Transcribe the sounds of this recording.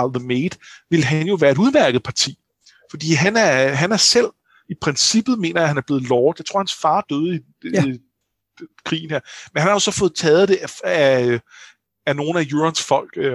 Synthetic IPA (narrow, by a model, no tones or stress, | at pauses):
lðəmeːd̥ʋe̝lɦænjo̝ʋæːɐe̝ɾuðˠmæɐɡ̥ð̩ˠpʰɑ̈t͡sʰḭː | fɒ̽d̥ḭːɦænæɐɦænæɐsel̰ | ipʰʁɛnsib̥ð̩ˠme̝̰ːnɐjahænæɐb̥le̝ːð̞̩ˠlɒːðˠjaɪt͡sʰʁo̝ɐ̰hænsfɑ̈ːd̥øːð̞̩ˠi | kʰʁḭːn̩heɐ̰menhænhɑ̈jo̝sɒ̽fɔ̽ːð̩ˠt͡sʰɛːð̞̩ˠd̥e̝æ | æno̝ːn̩æjuɐnsfɒ̽l̰ɡ̥